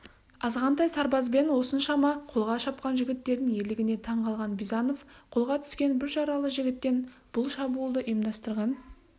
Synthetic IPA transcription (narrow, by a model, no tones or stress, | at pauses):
ɑzʁɑnt̪ɑjsɑɾbɑzbe̞nwo̞sənʃɑmɑqʰolˠʁɑʃɑp̚qɑnʒɪɡʲɪt̪ːe̞ɾd̪ɪŋe̞lɪɡʲɪne̞t̪ʰɑɴqʰɑlˠʁɑnbizɑno̞fqʰolˠʁɑt̪ʰʏ̥skʲe̞nbɪɾʃɑɾɑlˠəʒɪɡʲɪt̪ːe̞nb̥ʊlˠʃɑbuːlˠd̪əʔijmd̪ɑst̪əɾʁɑn